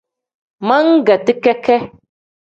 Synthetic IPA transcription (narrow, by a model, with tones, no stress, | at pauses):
mã˦ŋ̩˦ɡa˨tɪ˦kɛ˦kɛ˦